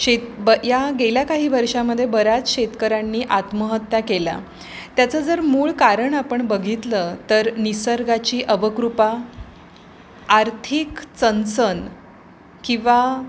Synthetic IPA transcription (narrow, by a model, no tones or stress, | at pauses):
ɕet̪bəjaɡeljakaɦiːʋəɾʂaməd̪ʱːjebəɾat͡sɕet̪kəɾanːiːʔat̪məɦət̪jakela̰ | t̪jat͡səd͡zəɾmuːɭkaɾəɳapəɳbəɡʱit̪lət̪əɾnisəɾɡat͡ɕiːʔəʋəkɾupa | ɾt̪ʰiːkt͡sənt͡sən | kĩʋa